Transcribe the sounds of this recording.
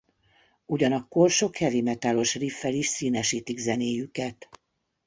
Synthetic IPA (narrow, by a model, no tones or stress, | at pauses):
uɟɒnɒkːo̞rʃo̞khɛviːmɛt̪aːlo̞ʃrifːɛliʃsiːnɛʃiːt̪iɡzɛneːjykɛt̪